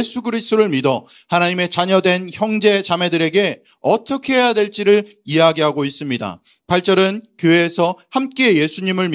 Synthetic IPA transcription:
esʰuɡɯɾistʰoɾɯɭmidʌhanaɲime̞t͡ɕaɲʌdwe̞nçjʌŋd͡ʑe̞t͡ɕame̞dɯɾe̞ɡe̞ | ʌt͈ʰʌkʰeɦejadwe̞ɭt͡ɕ͈iɾɯɭ | ijaɡiɦaɡois͈ɯmɲida̰ | paɭt͡ɕ͈ʌɾɯnkjoe̞ːsʰʌhamk͈e̞je̞sʰuɲimɯɭm

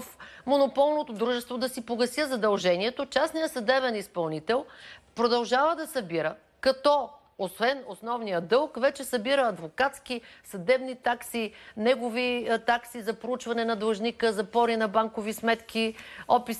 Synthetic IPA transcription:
fmonopɔlˠnot̪od̪ɾuʒɛst̪vod̪ɐsipoɡɐsʲjəzɐd̪ɐlˠʒɛniɛt̪ot͡ʃasnijəsɐd̪ɛbɛnispɐlˠnit̪ɛlˠpɾod̪ɐlˠʒavəd̪ɐsɐbiɾə | kɐt̪ɔ | osvɛnosnɔvnijəd̪ɤlˠkvɛt͡ʃɛsɐbiɾəɐd̪vokat̪sk̟isɐd̪ɛbnit̪aksinɛɡovit̪aksizɐpɾout͡ʃvɐnɛnɐd̪ˠʒnikəzɐpɔɾinɐbaŋkovismɛt̪kiɔpi

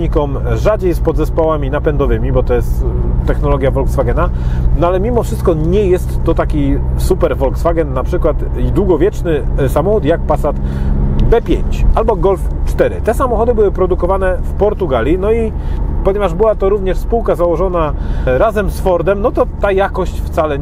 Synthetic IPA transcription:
ɲikɔm | ʐad͡ʑejspɔd̪zɛspɔwamʲinapɛnd̪ɔvɘmʲibɔt̪ɔjɛst̪ːɛxnɔlɔɡʲjavɔlksfaɡɛnanɔalɛmʲimɔfʂɘst̪̚kɔɲɛjɛst̪ːɔt̪akʲisupɛɾvɔlksfaɡɛnːapʂɘkwat̪ | id̪wuɡɔvʲjɛt͡ʂnɘsamɔxut̪jakpasat̪bɛpʲjḛɲt͡ɕalbɔɡɔlft͡ʂt̪ɛɾɘ̰t̪ɛsamɔxɔd̪ɘbɘwɘpɾɔd̪ukɔvanɛfpɔɾt̪uɡalʲinɔi | pɔɲɛvaʐbɘwat̪ɔɾuvɲɛʂspuwkazawɔʐɔnaɾazɛmsfɔɾd̪ɛmnɔt̪ɔt̪ajakɔɕt͡ɕft̪salɛ

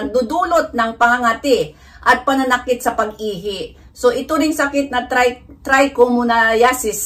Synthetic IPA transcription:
ŋd̪ud̪uːlot̪̚nɐŋpɐŋaŋat̪ɪ | ʔɐt̪̚pɐnɐnɐkɪt̪̚sɐpɐɡiːɦɪʔ | so̞ʔɪt̪oɾɪŋsɐkɪt̪̚nɐt̪ajt̪ɾajkomunɐjasɪs

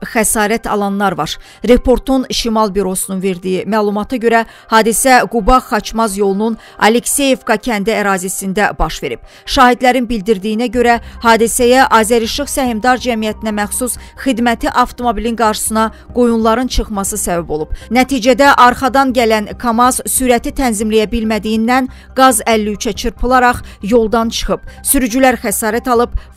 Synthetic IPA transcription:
xæsɑːɾæt̪ʰɑ̰lˠɑnlˠɑɾvɑɾ | ɾe̞pʰo̞ɾt̪ʰunʃimɑlˠbiɾo̞sununve̞ɾd̪ijimæːlˠumɑt̪ʰɑɟø̞ɾæ | hɑːd̪isæɡubɑxɑt͡ʃʰmɑzjo̞lˠunun | ɑ̰lekse̞jevɡɑcʰænd̪æːɾɑːzisind̪æbɑʃve̞ɾib̥̚ | ʃɑːhid̪læɾinbild̪iɾd̪ijːinæɟø̞ɾæhɑːd̪isæjæʔɑːzæɾiʃɯχsæhimd̪ɑɾd͡ʒæmijæt̪ʰinæmæxsus | xid̪mæt̪ʰiʔɑft̪ʰo̞mobilinɡɑɾʃɯ̥sɯnɑ | ɡ̥ojunlˠɑɾɯnt͡ʃʰɯχmɑsɯsævæbo̞lˠub̥̚næt̪ʰiːd͡ʒæd̪æʔɑɾχɑd̪ɑnɟælænkʰɑmɑzsyːɾæt̪ʰit̪ʰænzimlæjæbilmæd̪ijind̪æn | ɡɑzælːiyt͡ʃʰæt͡ʃʰɯɾpʰɯlˠɑɾɑχjo̞lˠd̪ɑnt͡ʃʰɯ̥χɯb̥syɾyd͡ʒylæɾxæsɑːɾæt̪ɑlˠɯb̚

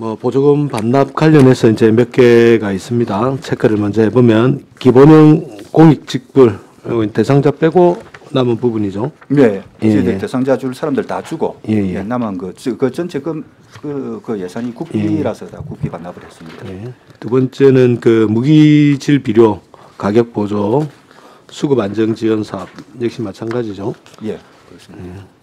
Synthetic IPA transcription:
mʌpod͡ʑoɡɯmpanːap̚k͈waʎːʌne̞sʰʌind͡ʑe̞mjʌk͈e̞ɡais͈ɯmɲidat͡ɕʰekʰeɾɯɭmand͡ʑʌhebomjʌnkiboɲʌŋkoŋik̚t͡ɕ͈ik̚p͈uɭ | ote̞sʰaŋd͡ʑap͈e̞ɡonamɯnpubuɲid͡ʑone̞jeeete̞sʰaŋd͡ʑad͡ʑuɭsʰaɾamdɯɭtad͡ʑuɡoje̞jenamankɯɯkɯt͡ɕʌnt͡ɕʰeɡɯm | kɯkɯjesʰaɲikuk̚ʰiiɾasʰʌta̰kupk͈ʰipanːabɯɾɦes͈ɯmɲidajetubʌnt͡ɕ͈e̞nɯnkɯmuɡid͡ʑiɭpiɾjo | kaɡjʌk̚p͈od͡ʑo | sʰuɡɯband͡ʑʌŋd͡ʑiwʌnsʰap̚jek̚ɕ͈imːat͡ɕʰanɡad͡ʑid͡ʑoje̞ | kje

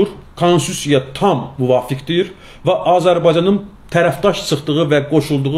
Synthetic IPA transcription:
uɾkʰonsusijɑt̪ʰɑmːuvɑːfikʰd̪iɾ | væʔɑːzæɾbɑjd͡ʒɑnɯn | t̪ʰæɾæfd̪ɑʃsɯχt̪ɯʁɯvæɡo̞ʃulˠd̪uʁ

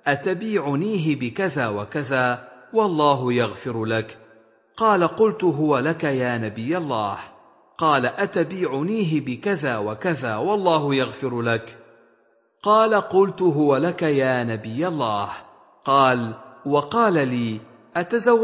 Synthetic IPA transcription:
ʔat̪abiːʕʊniːɦɪbɪkaðaːwakaðaːwɑlˤːɑːɦʊjaɣfɪɾlak | qɑːlaqʊlt̪ʊɦʊwalakajaːnabɪjːalˤːaːh | qɑːlaʔat̪abiːʕʊniːɦɪbɪkaðaːwakaðaːwɑlˤːɑːɦʊjaɣfɪɾlak | qɑːlaqʊlt̪ʊɦʊwalakajaːnabɪjːalˤːaːh | qɑːlwɑqɑːlaliː | ʔat̪azawː

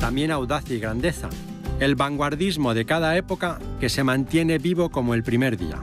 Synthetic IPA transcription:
t̪amje̞nawðaθjaiɣɾand̪e̞θa̰ | e̞lβaŋɡwaɾðizmo̞ðe̞kað̞ae̞po̞kake̞se̞mãnt̪je̞ne̞βiβo̞ko̞moe̞lpɾime̞ɾðḭa̰

